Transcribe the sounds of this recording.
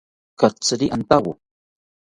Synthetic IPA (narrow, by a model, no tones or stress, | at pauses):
kat͡sɾiʔant̪awʊ